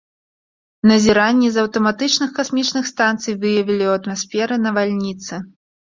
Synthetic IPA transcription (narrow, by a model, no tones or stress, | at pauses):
nɐzʲiɾanʲːizɐwt̪ɐmat̪ɨt͡ʂnɨxkasmʲit͡ʂnɨxst̪ant̪sɨjvɨjɐvʲilʲiwɐt̪masfʲɛɾɨnɐvalʲnʲit̪sɨ